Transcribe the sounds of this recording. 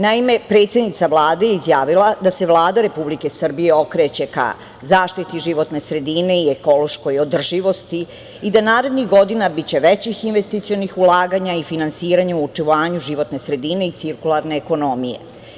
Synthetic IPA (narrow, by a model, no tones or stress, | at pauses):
naime̞pɾe̞ːt̪sʲed̪nit̪saʋlaːd̪ejeizjaːʋilad̪ase̞ʋlˠaːd̪aɾe̞publike̞sr̩bijeo̞kɾet͡ɕe̞ka̰ | zaːʃt̪it̪iʒiʋo̞t̪ne̞sɾe̞d̪ine̞ieko̞lo̞ʃko̞jod̪r̩ʒiʋo̞st̪i | id̪anaːɾe̞d̪nixɡo̞d̪inabit͡ɕe̞ʋet͡ɕixinʋest̪it̪sionixulaːɡaɲaifinansiːɾaɲauut͡ʂiʋaːɲuʒiʋo̞t̪ne̞sɾe̞d̪ine̞it̪siɾkulˠaɾne̞ːko̞no̞mijḛ